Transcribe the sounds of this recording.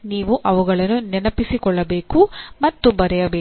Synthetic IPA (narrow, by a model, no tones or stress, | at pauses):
niːʋuʔɐʋuɡɐɭɐnːunɛnɐpisikɔɭːɐbe̞ːkumɐt̪ːubɐɾɛjɐbeː